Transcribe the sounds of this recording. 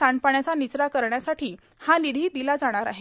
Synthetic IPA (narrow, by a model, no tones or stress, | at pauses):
aɳpaɳjat͡sanit͡sɾakəɾɳjasaʈiː | hãlid̪ʱiːd̪ilad͡zaɽ̃aɾa̰ɦe